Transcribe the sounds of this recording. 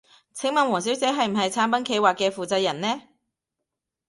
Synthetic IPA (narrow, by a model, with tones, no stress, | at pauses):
t͡sʰɪ˨˥ŋmɐ˨nwɔː˨˩ŋs̬iː˨˥wt͡sɛː˨˥ɦɐ˨jm̩˨˩ɦɐ˨jt͡sʰaː˨˥npɐ˨˥nkʰe˧jwaː˨kːɛː˧fuː˨t͡sɐ˧j̚ɐ˨˩nnɛː˥